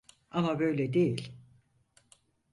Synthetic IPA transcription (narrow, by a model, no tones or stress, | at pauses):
amabø̞jlʲɛd̪e̞jilʲ